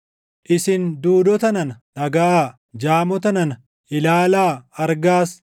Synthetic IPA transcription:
ʔɪsɪnd̪uːd̪ɔt̪ɐnɐnɐnɐɡɐʔaː | d͡ʒaːmɔt̪ɐnɐnɐ | ʔɪlaːlaːɐɾɡaːs

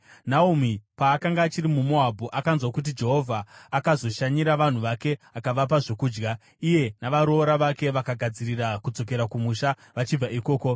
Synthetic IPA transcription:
naumipaːkaŋɡaːt͡ʃiɾimumo̞ɦabʱuʔakanzwakut̬id͡ʒe̞ɦo̞vʱaːkazo̞ʃaɲiɾaʋan̤uʋake̞akaʋap̬aʐo̞kuːd͡ʒɡa | ije̞naʋaɾo̞ːɾaʋake̞ʋakaɡʱad͡ziɾirakud͡zo̞k̬e̞ɾakumuʃa | ʋat͡ʃib͡vaiko̞ːko̞

